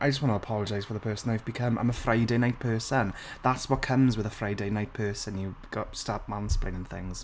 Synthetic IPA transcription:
ʔaɪd͡ʒʌs̚wɒ̃ntəəpʰɒlˠəd͡ʒaɪz̥fəðəpʰɜˑsə̃naɪvbɪkʰə̃mã̰ɪ̃məfɹaɪdeɪnaɪt̚pʰɜˑsə̃n | ðatswɒt̚kʰə̃mzwɪðəfɹaɪdeɪnaɪt̚pʰɜˑsə̃njəɡ̥ɒtstaːˑp̚mãnsplɪ̰̃ɪ̃nɪ̃ŋθɪ̰̃ŋz̥

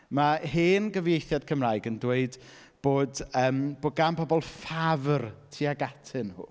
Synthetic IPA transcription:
maɦeːnɡəvjejθjad̥̚kʰəmrajɡəndweɨd | b̥oːdəːmb̥ʊɡampʰɔbɔlˠfavrtʰiaɡatʰɨnhṵː

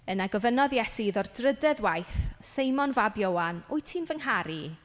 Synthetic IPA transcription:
ənaɡɔvənɔðjɛsiðɔrdrədɛðwajθsejmɔnvabjowanujtʰimvəŋɦaɾi

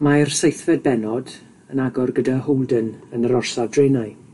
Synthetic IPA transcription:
marsejθvɛd̚bɛnɔd | ənaɡɔrɡədahowlˠdənənəɾɔrsavdrejnaɨ

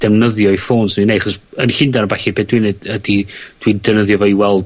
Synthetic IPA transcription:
d̥ɛvnəðjɔifoːnsnineaχɔsənɬɪndanəbaɬibeːdwinedədid̥windɛvnəðjɔvɔiwɛlˠd

